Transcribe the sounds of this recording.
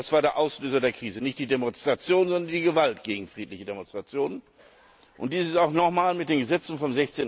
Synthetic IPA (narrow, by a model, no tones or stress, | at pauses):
asv̥aːɐɾeːɐʔaʊsløːzɐdeːɐkʁ̥iːzənɪçtd̥iːdemɔnstʁ̥at͡sjoːnzɔndɐndiːɡəvaltɡ̥eːɡŋ̩fʁ̥iːtlɪçədemɔnstʁ̥at͡sjoːnən | ʔʊnt̚d̥iːsɪsaʊxnɔχmaːlmɪt̚d̥eːnɡəzɛt͡sn̩fɔmzɛçt͡seːn